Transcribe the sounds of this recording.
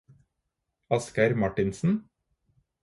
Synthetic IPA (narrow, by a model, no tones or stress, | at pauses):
ɑskəɾmɑʈɪnsn̩